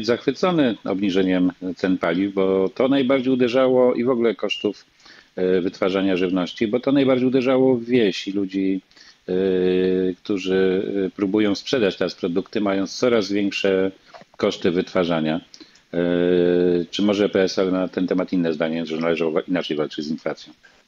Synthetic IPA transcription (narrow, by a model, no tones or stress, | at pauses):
d͡ʑzaxfɘt̪sɔnɘɔ̰bɲiʐɛɲɛmt̪ɛnpalʲivbɔt̪ɔnajbaɾd͡ʑejud̪ɛʐawɔʔivɔɡlɛkɔʂt̪uf | vɘt̪faʐaɲaʐɘvnɔɕt͡ɕibɔt̪ɔnajbaɾd͡ʑejud̪ɛʐawɔvʲjeɕilud͡ʑi | kt̪uʐɘpɾubujɔ̃w̃spʂɛd̪at͡ɕt̪ɛɾaspɾɔd̪ukt̪ɘmajɔ̃ñst̪sɔɾazvʲjɛŋkʂɛ | kɔʂt̪ɘvɘt̪faʐaɲa | t͡ʂɘmɔʐɛpɛɛsalɛnat̪ɛnt̪ɛmat̪inːɛzd̪aɲɛɛnʐɛnalɛʐawɔvaʔinat͡ʂɛjvalt͡ʂɘd͡ʑzinflat̪sʲjɔ̃w̃